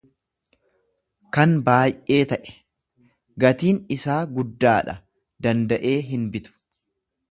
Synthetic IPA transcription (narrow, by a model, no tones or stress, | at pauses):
kɐnbaːjʔe̞ːt̪ɐʔɛ̥ | ɡɐt̪iːnɪsaːɡʊd̪ːaːᶑɐ | d̪ɐnd̪ɐʔe̞ːɦɪnbɪt̪ʊ̥